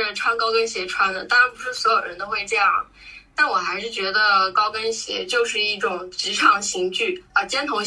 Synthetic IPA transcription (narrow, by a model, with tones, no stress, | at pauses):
ʈ͡ʂʰwa˥nkɑ˥ʊkə˥nɕjɛ˧˥ʈ͡ʂʰwa˥nd̪ə˨˩t̪a˥ɻa˧˥npu˧˥ʂɻ̩˥˩swɔ˧˥jo˨˩ʊɻə̰˧˥nt̪o˥ʊxwe˥˧ɪʈ͡ʂɤ˥˧jɑ˥˩ŋ | t̪a˥˩nwɔ˨˩xa˧˥ɪʂɻ̩˥˩t͡ɕɥɛ˧˥d̪ə˧kɑ˥ʊkə˥nɕjɛ̰˧˥t͡ɕjo˥˧ʊʂɻ̩˥˧i˥˩ʈ͡ʂʊ˨˩ŋʈ͡ʂɻ̩˧˥ʈ͡ʂʰɑ˧˥ŋɕi˧˥ŋt͡ɕy˥˩ə˧˩t͡ɕjɛ˥nt̪ʰʊ˧˥ŋ